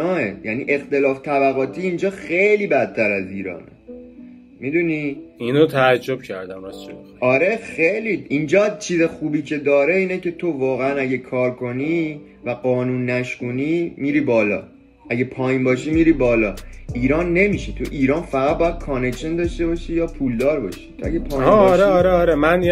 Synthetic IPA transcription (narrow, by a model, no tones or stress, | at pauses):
ɒːejænḭʔe̞xt̪e̞lɒːft̪ʰæbæɣɒːt̪ʰiːind͡ʒɒːxe̞jliːbæt̪̚ʰːæɾæziːɾɒ̰ːnḛ | mid̪uniinot̪ʰæːd͡ʒːo̞b̥̚cʰæ̰ɾd̪æmæsʃo | ɒɾe̞xejliind͡ʒɒːt͡ʃʰiːzexuːbiːcʰe̞d̪ɒːɾe̞iːnece̞t̪ʰo̞vɒːɣeænæɟekʰɒːɾkʰo̞ni | væɢɒːnuːnːæʃkuːniːmiːɾiːbɒːlɒ̰ː | ʔæɟepʰɒːjinbɒːʃiːmiːɾiːbɒːlɒːʔiːɾɒːnːe̞miːʃet̪ʰuʔiːɾɒːnfæɣæt̪̚bɒːjæd̪̚kʰɒne̞kʃend̪ɒʃt̪e̞bɒʃiːjɒːpʰuːld̪ɒːɾbɒ̰ʃi̥t̪ʰoæ̰ɡepʰɒːjɾeɒɾeɒɾemæn